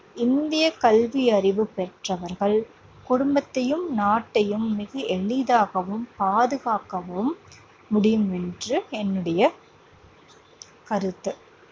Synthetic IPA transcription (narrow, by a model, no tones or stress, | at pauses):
ɪnd̪ɪjɐkɐlʋiɐɾɪʋɯpɛʈrɐʋɐɾɣɐɭ | kʊɽʊmbɐt̪ːɐjɯmnaːʈːɐjɯmːɪɣɐʔɛɭɪðaːɣɐʋɯmpaːðɯɣaːkɐʋɐɯmː | ʊɽɪjɯmɛndrɯɛnːɯɽɐjɐ | kɐɾɯt̪ːɯ